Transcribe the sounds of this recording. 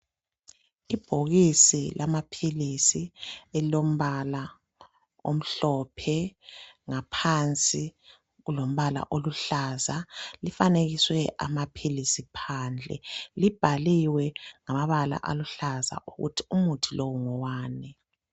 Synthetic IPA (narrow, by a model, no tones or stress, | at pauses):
ib̥ʱoɣisilamapʰilisielilom̩βala | om̩ɬɔpʰɛ | ŋapʰant͡sʼi | ɣulom̩βala̰ʔoluɬazalifaneɣiswɛʔa̰mapʰilisipʰaːnd͡ɮʱɛ̰lib̥ʱaliwɛŋamaβala̰ʔa̰luɬaza̰ʔuɣṵtʰi̥umutʰilowuŋɔwaːnɛ